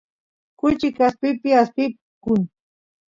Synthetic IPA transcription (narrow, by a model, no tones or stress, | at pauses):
kʊt͡ʃɪkasp̪ɪpɪast̪ɪp̚ | kʊŋ